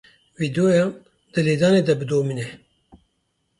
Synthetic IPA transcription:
viːd̪oːjɑːn | d̪̥ɨleːd̪ɑːneːd̪ɛbɨd̪oːminɛ

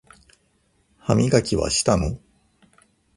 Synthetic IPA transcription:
hamʲiɡakʲiβa̰ɕi̥t̪ano

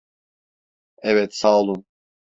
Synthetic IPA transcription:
ɛvɛt̪saːlˠum

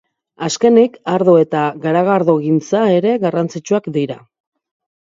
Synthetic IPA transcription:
aske̞nikaɾðoe̞t̪aɣaɾaɣaɾðoɣint͡sae̞ɾe̞ɣarant͡sit͡ʃuakd̪iɾa̰

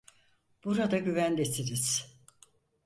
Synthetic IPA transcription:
b̥uɾad̪aɟyvænd̪esʰiɾiz̥

